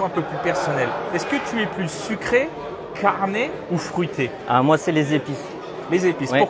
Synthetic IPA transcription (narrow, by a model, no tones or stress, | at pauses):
ɔ̃ɛ̃pøplypɛʁsɔnɛlɛskət̪yɛplysykχe | kʰaʁne | ufχyt̪ʰe | a̰mwasɛlezepis | lezepisu